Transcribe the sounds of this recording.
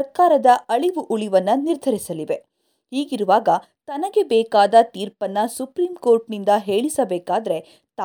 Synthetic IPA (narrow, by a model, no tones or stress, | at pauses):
ɐɾkaːɾɐd̪ɐɐɭiʋuʔuɭiʋɐnːɐniɾd̪ʱɐɾisɐliʋe̞ | hiːɡiɾuʋaːɡɐ | t̪ɐnɐɡe̞bɛːkaːd̪ɐt̪iːɾpɐnːɐsupɾiːmko̞ːɾʈnind̪ɐɦe̞ːɭisɐbɛːkaːd̪ɐɾe̞ | t̪ː